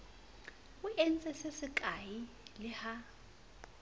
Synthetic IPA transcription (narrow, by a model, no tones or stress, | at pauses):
uɛn̩t͡sʼɛsesɪkʼaji | lɪha